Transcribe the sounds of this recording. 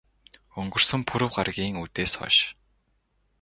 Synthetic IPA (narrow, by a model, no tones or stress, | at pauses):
ɵŋɡɵ̆r̥sɘ̆mpʰuɾɘ̆wɢarɣʲiːŋut̪eːsɔ̰ʃ